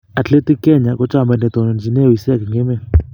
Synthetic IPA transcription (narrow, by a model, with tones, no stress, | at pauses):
a˨t͡ɬe˦ti˦kɛ˦ɲa˨kɔ˦t͡ʃʼa˦˨mba˨nɛ˨t̪ɔ˨n˨n˨d͡ʒi˨ne˦˨wi˨sɛ˦˨kɛ˨ŋɡɛ˦mɛ˨l